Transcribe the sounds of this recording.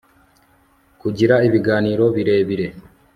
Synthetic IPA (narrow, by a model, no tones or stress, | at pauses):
kuɟiɾaiβiɡaːniːɾo̞βiɾe̞ːβiɾe̞